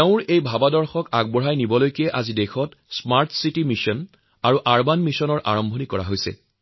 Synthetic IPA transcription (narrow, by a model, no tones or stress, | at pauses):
teʊ̃ɹʔejbʱabadɔɹxɔkaɡ̚bɔɹajnibɔlojkiɛʔazidɛxʰɔtsmaɹtʰsitimisɔn | aɹuʔaɹbanmisɔnɔɹʔa̰ɹɔmbʱɔnikɔɹa̰ɦojsɛ̰